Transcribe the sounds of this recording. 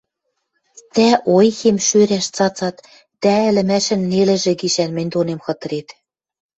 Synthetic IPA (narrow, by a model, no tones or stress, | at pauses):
t̪æʔojxemʃøɾæʃt͡sɑt͡sɑt̪ | d̪æɘ̆lɘ̆mæʃɘ̆nːelɘ̆ʒɘ̆ɡiʃænmɘ̆nʲd̪onemxɤ̆t̪ɤ̆ɾet̪